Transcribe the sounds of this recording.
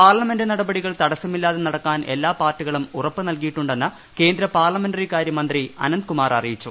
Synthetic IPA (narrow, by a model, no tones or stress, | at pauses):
paːrlɐme̞ndenɐɽɐbɐɽiɣɐɭt̪ɐɽɐsɐmilːaːðenɐɽɐkːaːnʔe̞̰lːaːpaːrtːiɣɐɭumurɐpːɨnɐlkijiʈːuɳɖe̞nːɨ | ke̞ːnd̪ɾɐpaːrlɐme̞nɖɐrikaːɾjɐmɐnd̪riɐ̰nɐnd̪ɨkumaːrɐ̰rijit͡ɕːu